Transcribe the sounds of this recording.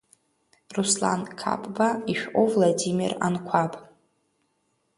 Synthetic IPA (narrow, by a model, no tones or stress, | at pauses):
rusla̰nkʰa̰pʼbaiʃᶣʔovlˠadimḭra̰nkʷʰapʼ